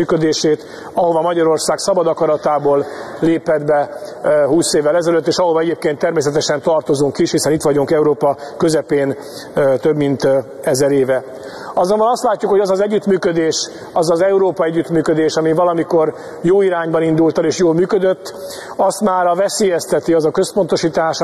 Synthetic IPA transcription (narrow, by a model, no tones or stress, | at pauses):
yːkød̪eːʃeːt̪ | ɒɦo̞vɒmɒɟɒɾo̞rsaːɡsɒbɒd̪ɒkɒɾɒt̪aːboːlleːpɛd̪bɛhuːseːvːɛlɛzɛløt̪ːeːʃɒɦovɒɛɟeːp̚keːnt̪ːɛrmeːs̬ɛt̪ɛʃɛnt̪ɒrt̪o̞zuŋkiʃhisɛnit̪ʋɒɟuŋkɛuɾoːpɒkøzɛpeːn | t̪øbmint̪ɛzɛɾeːvɛ | ɒzombɒnɒst̪laːcːukho̞ɟɒzɒzɛɟːyt̪myːkød̪eːʃ | ɒzɒzɛuɾoːpɒɛɟːyt̪myːkød̪eːʃɒmivɒlɒmiko̞r | joːiɾaːɲbɒnind̪ult̪ɛleːʃjoːlmyːkød̪øt̪ː | ɒst̪maːɾɒvɛseːjɛst̪ɛt̪iɒzɒkø̞spo̞nt̪o̞ʃiːt̪aːʃ